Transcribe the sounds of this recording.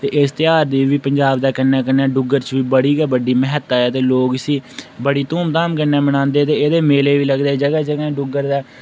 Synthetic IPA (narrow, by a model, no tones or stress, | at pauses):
t̪eːʔɪst̪ɪjaːɾd̪iːʋiːpəɲd͡ʒaːbd̪aːkənːɛːkənɛːɖʊɡəɾt͡ʃʋiːbəɽiːɡɛːbəɖiːmɛɦət̪ːaːɛːt̪eːloːɡəsiːbəɽiːt̪uːmt̪aːmkəɾnɛːməɽ̃ãːnd̪eːt̪eːeːd̪eːmeːleːʋiːləɡd̪eːd͡ʒəɡɛːd͡ʒəɡɛːɖʊɡəɾd̪aː